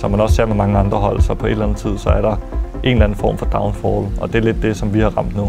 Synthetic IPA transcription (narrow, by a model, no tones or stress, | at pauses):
sɒ̽mænɒ̽se̝ɐ̰memɑ̈ŋəɑ̈nd̥ʁɐɦɒ̽l̰sɒ̽pʰɒ̽e̝ɾ̥lænð̩ˠt͡sʰið̞̰ˠsɒ̽æɐɾɑ̈ʔe̝ːnlæn̩fɒ̰ːmfɒ̽d̥ɑ̈ʊnfɒːlɒ̽d̥e̝ɐle̝d̥̚ːe̝sɒ̽mʋihɑ̈ʁɑ̈m̰d̥nuː